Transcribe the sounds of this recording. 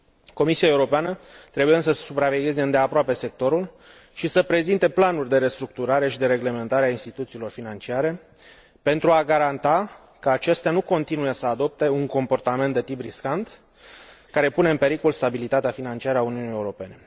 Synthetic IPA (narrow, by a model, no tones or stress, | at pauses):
ko̞misiae̞uɾo̞peanət̪ɾe̞bujeɨnsəssupɾave̞ɡʲe̞ze̞ɨnd̪e̞apɾoape̞se̞k̚t̪o̞ɾul | ʃisəpɾe̞zint̪e̞planurʲd̪e̞ɾe̞st̪ɾuk̚t̪uɾaɾe̞ʃid̪e̞ɾe̞ɡle̞me̞nt̪aɾeainst̪it̪ut̪siːlo̞rfinant͡ʃiaɾe̞ | pe̞nt̪ɾuaɡaɾant̪a | kəat͡ʃe̞st̪eanuko̞nt̪inuje̞səad̪o̞p̚t̪e̞uŋko̞mpo̞rt̪ament̪d̪e̞t̪ipriskant̪ | kaɾe̞pune̞ɨnmpe̞ɾiko̞lst̪abilit̪at̪eafinant͡ʃiaɾəauniunije̞uɾo̞pe̞ne̞